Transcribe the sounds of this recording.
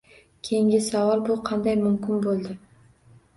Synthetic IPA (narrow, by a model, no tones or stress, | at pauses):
kʲʰejɪŋɡʲɪsavɒɾˠbʊqʰɑnd̪ajmʊmkʰʲɪnbolˠd̪ɪ